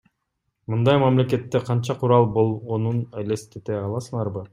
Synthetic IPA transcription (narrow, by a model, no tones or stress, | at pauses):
mɯnd̪ɑjmamle̞ke̞t̪ːeqʰɑnt͡ʃɑqʰuɾɑlˠbo̞lˠʁonunelest̪et̪eɑlˠɑsɯɴɑɾbɯ